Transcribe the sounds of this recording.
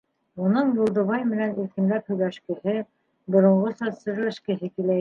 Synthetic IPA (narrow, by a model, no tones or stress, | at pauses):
unɤɴbulˠd̪ɤ̆βɑjmɘ̆næniɾkɘ̆mlæphɵ̆jlæʃkɘ̆hɘ | bŏɾŏɴʁosɒsɤ̆ɾlɘ̆ʃkɘ̆ɦɘkilæ